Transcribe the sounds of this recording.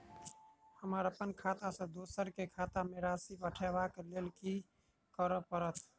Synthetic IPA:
həməɾəpənkʰaːt̪asə̃d̪osəɾkekʰaːt̪ameɾasipəʈʰeʋakeleːlki | kəɾəpəɾət̪ʰ

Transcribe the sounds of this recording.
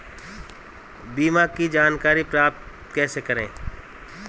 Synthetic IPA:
biːmakid͡ʒaːnkaːɾipɾaːp̚t̪ | kɛːsekɐɾḛ̃ː

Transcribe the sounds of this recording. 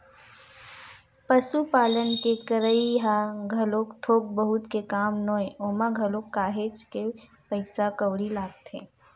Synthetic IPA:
pɐsupaːlənkekɐɾəiɦaɡʱɐloːkt̪ʰoːk̚bəɦʊt̪kekaːmnoːeʔoːmaɡʱɐloːkːaːɦeːt͡ʃke | pɐɪsakəwɽilaːɡt̪ʰeː

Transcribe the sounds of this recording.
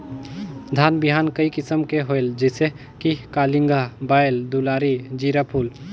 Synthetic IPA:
d̪ʱaːnbɪɦaːnkəikɪsəmkeɦoeld͡ʒese | kikaːlɪŋɡabaːeld̪ulaːɾid͡ʒiːɾapʰuːl

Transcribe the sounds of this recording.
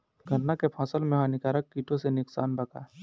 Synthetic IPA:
ɡʱɐɾnːakepʰãːsəlmẽɦãnɪkaːɾəkːiːʈõsenɪksaːnbɐkaː

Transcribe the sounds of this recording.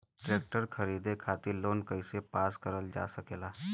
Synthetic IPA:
ʈɾeːk̚ʈəɾkʰəɾiːd̪ekʰaːt̪iloːnkəɪsepaːskəɾəld͡ʒa̰ːsəkeːlaː

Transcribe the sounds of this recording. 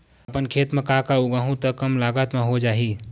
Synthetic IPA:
əpənkʰet̪mẽkakauɡaɦũt̪əkəmlaɡət̪mẽɦod͡ʒaːɦi

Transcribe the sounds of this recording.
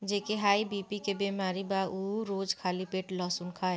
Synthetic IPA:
d͡ʒeːkeɦaːibipikebeːmaːɾibauɾoːd͡ʒkʰaːlipeːʈlɔːsʊnkʰaːɛ

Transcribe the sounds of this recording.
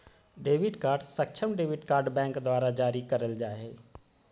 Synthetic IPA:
ɖeːʋɪɖkaːɾɖsək̚t͡ʃʰəmɖeːʋɪʈkaːɾɖbɛ̃ːŋkd̪waːɾad͡ʒaːɾikɐɾəld͡ʒaːɛː

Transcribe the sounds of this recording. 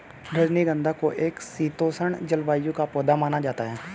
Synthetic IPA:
ɾəd͡ʒniɡə̃nd̪ʱakoʔeːksiːt̪oːsəɳ̃d͡ʒəlʋaːjõkapoːd̪amaːnad͡ʒaːt̪aɦɛː

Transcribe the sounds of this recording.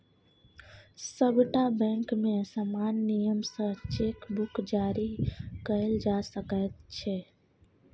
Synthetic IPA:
səbʱʈabə̃ŋkmesəmanːijəmsə̃t͡ʃekbukd͡ʒaɾikəɪld͡ʒasəkət̪̚t͡ʃʰɛ

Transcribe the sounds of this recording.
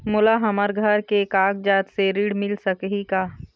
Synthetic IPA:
mʊlaɦɐməɾɡʱəɾkekaːɡ̚d͡ʒaːt̪seɾiːɽmɪlsəkɦikaː

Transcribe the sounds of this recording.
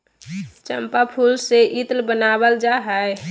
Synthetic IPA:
t͡ʃəmpapʰulseʔit̪lbənabəld͡ʒaɦɛe

